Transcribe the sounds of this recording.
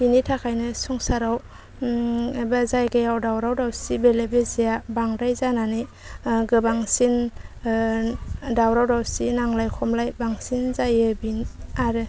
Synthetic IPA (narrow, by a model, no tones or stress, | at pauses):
binitʰakʰajnɯsuŋsaɾaw | bazajɡajawdawɾawdawsibelebezijabaŋdajzanani | ɡɯbaŋsin | dawɾawdawsinaŋlajkʰɔmlajbaŋsinzajɯbinaɾɯ